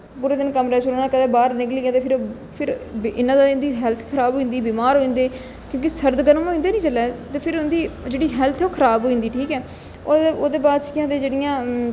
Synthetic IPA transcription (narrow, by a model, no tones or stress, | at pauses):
puːɾeːd̪ɪnkəmɾɛːt͡ʃʰolːnãːkəɛːbaːɾnɪkliːãːt̪eːpʰɪɾ | pʰɪɾɪnãːd̪aɪnd̪iːɦɛlt̪ʰkʰəɾaːbɦoːĩːnd̪iːbiːmaːɾɦoːĩːnd̪eː | kjõːk̬ɪsəɾd̪ɡənəmɦoːĩːnd̪eːnĩːt͡ʃəlːɛːt̪eːpʰɪɾʊnd̪iːd͡ʒeːɽiːɦɛːlt̪ʰɛoːkʰəɾaːbɦoːĩːnd̪iːʈʰiːkɛː | oːoːd̪eːbaːt͡ʃkɪjãːd̪eːd͡ʒeːɽɪjãː